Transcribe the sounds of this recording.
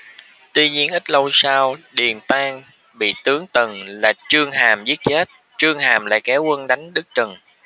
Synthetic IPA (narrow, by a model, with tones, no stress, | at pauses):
t̪wi˧ɲi˧ənʔi˦˥t̟̚lə˧wsaː˧wɗi˨˩ənt̪aː˧ŋ | ɓḭ˧˨t̪ɨ˨˦əŋt̪ə˨˩ŋlaː˨˩t͡ɕɨ˧əŋɦaː˨˩mzi˦˥ət̚t͡ɕe˦˥t̚ | t͡ɕɨ˧əŋhaː˨˩mla̰ː˧˨˩jkɛ˨˦wkə˧nɗa˨˦jŋ̟ɗɨ˦˥k̚t͡ɕɨ˨˩ŋ